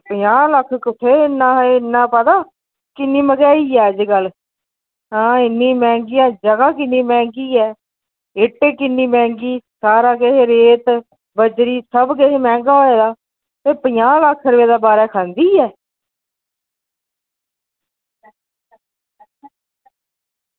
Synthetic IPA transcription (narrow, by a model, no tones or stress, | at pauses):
pəjaːləkʰːkʊʈʰeːɪnːãːɪnːãːpət̪aː | kɪnːiːməɡɛːiːɛːd͡ʒɡəl | ɦãːɪnːiːmɛ̃ːŋɡɪjãːd͡ʒəɡaːkɪnːĩːmɛ̃ːŋɡiːɛː | ɪʈːeːkɪnːiːmɛ̃ːŋɡiːsaːɾaːkeɦeːɾeːt̪ | bəd͡ʒɾiːsəbkeɦeːmɛ̃ːŋɡaːɦoeːd̪aː | t̪eːpəjãːlakʰːəɾʋeːd̪aːbaːɾɛːkʰə̃nd̪iːɛː